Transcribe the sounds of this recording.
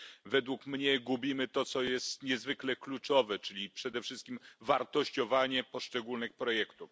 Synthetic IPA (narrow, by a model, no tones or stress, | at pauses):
vɛd̪wukmɲɛɡubʲimɘt̪ɔt̪sɔjɛst̪ɲɛzvɘklɛklut͡ʂɔvɛt͡ʂɘlʲipʂɛd̪ɛfʂɘst̪̚kʲimvaɾt̪ɔɕt͡ɕɔvaɲɛpɔʂt͡ʂɛɡulnɘxpɾɔjɛkt̪uf